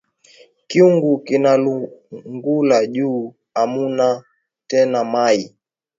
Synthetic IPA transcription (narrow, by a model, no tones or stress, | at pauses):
kiuŋɡukinaluŋɡulaʄuː | amuna | tɛnamai